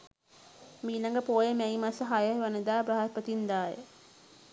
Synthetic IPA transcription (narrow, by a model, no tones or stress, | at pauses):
miːlaŋɡəpoːjəmæimasəɦajəʋanəd̪aːbɾaɦaɾpət̪ind̪aːjə̰